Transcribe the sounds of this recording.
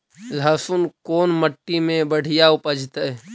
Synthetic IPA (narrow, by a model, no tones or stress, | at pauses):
lʱəːsʊnkoːnməʈːimẽbəɽ̤ɪjaʊpəd͡ʒʱt̪ɛ